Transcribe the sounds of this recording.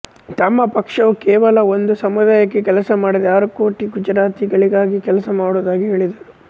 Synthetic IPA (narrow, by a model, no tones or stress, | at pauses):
t̪ɐmːɐpɐkʂɐʋukɛːʋɐlɐo̞nd̪usɐmud̪aːjɐkːekɛlɐsɐmaːɽid̪aːɾuko̞ːʈiɡud͡ʒɾaːt̪iɡɐɭiɡaːɡikɛlɐsɐmaːɽoːd̪aːɡiɦe̞ːɭid̪ɐu